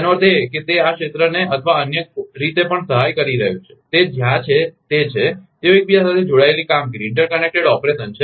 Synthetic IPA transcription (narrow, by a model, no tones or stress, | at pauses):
noɾd̪eket̪eakʃet̪ɾəneʔət̪ʰʋaənjəɾit̪epəɳsəɦajkəɾiɾəɦjũt͡ʃʰe̥t̪ed͡ʒjãt͡ʃʰet̪et͡ʃʰet̪eoek̚bʱiasat̪ʰed͡ʒoɽaelikamɡəɾiɪɳʈəɾkənek̚ʈeɽɔpɾesənt͡ʃʰe